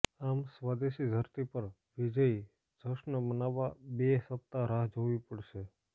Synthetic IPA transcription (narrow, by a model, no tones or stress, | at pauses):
amsʋad̪eʃid̪ʱəɾt̪ipəɾ | ʋid͡ʒəi | d͡ʒ̪ʱəʃnəbənaʋabesəp̚t̪aɾaɦd͡ʒʱoʋipəɽʃe